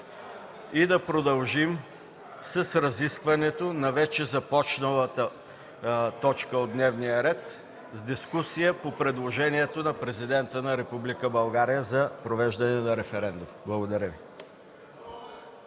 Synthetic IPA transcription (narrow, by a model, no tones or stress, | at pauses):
id̪ɐpɾod̪ɐlˠʒim | sɐsɾɐziskvɐnɛt̪onɐvɛt͡ʃɛzɐpɔt͡ʃnəlˠət̪ə | t̪ɔt͡ʃkəod̪nɛvnijəɾɛt̪ | zd̪iskusijəpopɾɛd̪lˠoʒɛniɛt̪onɐpɾɛzid̪ɛnt̪ənɐɾɛpublikəbɐlˠɡaɾijəzɐpɾovɛʒd̪ɐnɛnɐɾɛfɛɾɛnd̪umblˠɐɡod̪ɐɾəvi